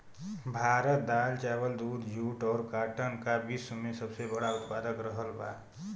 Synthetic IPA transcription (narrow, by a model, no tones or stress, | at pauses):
bʱaːɾət̪̚d̪aːlt͡ʃaːwəld̪uːd̪juːʈɔːɾkaːʈənkabiːsəmẽsəbsebəɽaʊt̪̚paːd̪əkɾəɦəlba̰ː